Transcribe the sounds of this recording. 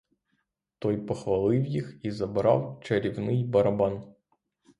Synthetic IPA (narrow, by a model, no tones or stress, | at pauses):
t̪ɔjpɐxʋɐlˠɪwjixizɐbɾɑ̰wt͡ʃɐɾʲɪvnɨjbɐɾɐban